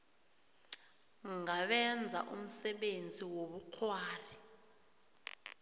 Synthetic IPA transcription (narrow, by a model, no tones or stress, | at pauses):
ŋaɓɛnd͡zʱa̰ʔum̩sɛɓend͡zʱiwoɓuq͡χʰwaːri